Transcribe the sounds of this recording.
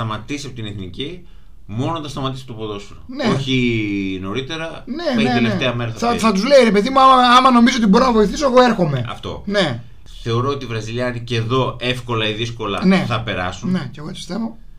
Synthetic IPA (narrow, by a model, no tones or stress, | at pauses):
ɐmɐt̪isiɐpot̪ineθnici | mo̞nonθɐst̪ɐmɐt̪isiɐpot̪opoðo̞sunɐneoçino̞ɾit̪e̞ɾɐneeelefeɐmeɾɐθɐɐθɐt̪uzle̞iɾe̞pe̞ðimuɐmɐɐmɐno̞mizoot̪̬ibo̞ɾonɐvo̞iθiso̞eɣo̞eɾxo̞me̞ɐ̰ft̪o̞̰ne̞ | θe̞o̞ɾo̞ot̪ivɾɐziʎɐniceðo̞e̞fko̞lɐiðisko̞lɐ̰ne̞θɐpe̞ɾɐsune̞ceɣoet̪ist̪evo̞